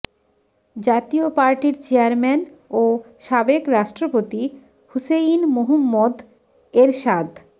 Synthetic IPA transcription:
d͡ʑat̪iopaɾʈiɾt͡ɕeaɾmenoʃabekɾaʃʈɾopot̪i | huseinmoɦumːod̪ | eɾʃad̪

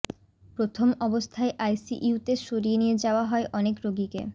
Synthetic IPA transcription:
pɾot̪ʰomɔbost̪ʰaeʔajsiʔut̪eʃoɾienijed͡ʑaoaɦɔeʔɔnekɾoɡikḛ

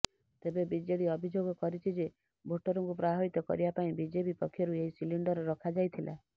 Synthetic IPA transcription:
t̪ebebid͡ʒeɽiɔbʱid͡ʒoɡɔkɔɾit͡ʃʰid͡ʒe | bʱoʈɔɾɔŋkupɾabʱait̪ɔkɔ̰ɾibapaĩbid͡ʒebipɔkʰːjɔɾueɦisiliɳɖɔɾɔɾɔkʰad͡ʒajt̪ʰilʔa̰

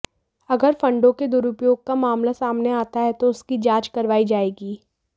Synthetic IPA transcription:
ɐɡəɾfɐ̃ɳɖõked̪ʊɾʊpjoːɡ̚kamaːmlasaːmneaːt̪aɦɛt̪oʊskid͡ʒaːt͡ʃkɐɾʋaːid͡ʒaːeːɡiː

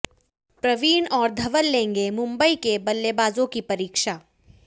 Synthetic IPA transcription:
pɾɐʋiːnɔːɾd̪ʱɐʋəlːẽːŋɡemʊ̃mbəikebɐlːebaːzõkipɐɾiːkʃaː

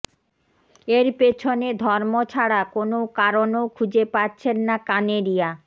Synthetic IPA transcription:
eɾpet͡ɕʰoned̪ʱɔɾmot͡ɕʰaɽakonokaɾonokʰud͡ʑepatːt͡ɕʰenːakaneɾija

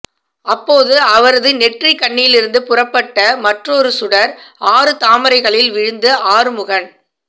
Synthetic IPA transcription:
ɐpːoːðɯɐʋɐɾɐðɯnɛʈrikɐɳːɪjlɪɾɯnd̪ɯpʊrɐpːɐʈːɐmɐʈrɔɾɯsʊɽɐɾʔaːɾɯt̪aːmɐɾɐɪɣɐɭɪlʋɪɻɯnd̪ɯʔaːɾɯmʊɣɐɳ

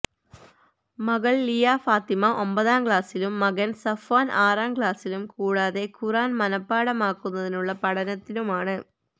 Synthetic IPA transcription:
mɐɣɐɭːijaːfaːt̪imɐʔo̞mbɐðaːmkɭaːsilumːɐɣɐnsɐfaːnaːraːmkɭaːsilumkuːɽaːðe̞kuraːnmɐnɐpːaːɽɐmaːkːunːɐðinuɭːɐpɐɽɐnɐt̪ːinumaːɳɨ

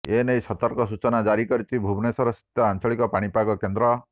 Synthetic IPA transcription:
enejsɔt̪ɔɾkɔsut͡ʃɔnad͡ʒaɾikɔɾit̪ʰibʱubnesɔɾɔsi̥t̪jɔant͡ʃʰɔɭikɔpaɽ̃ipaɡɔkend̪ɾɔ

